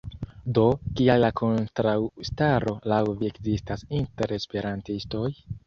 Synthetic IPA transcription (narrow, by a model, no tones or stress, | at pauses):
do̞kiajlakʰo̞ntɾawstaɾo̞lawviekzistasinte̞ɾe̞speɾantisto̞j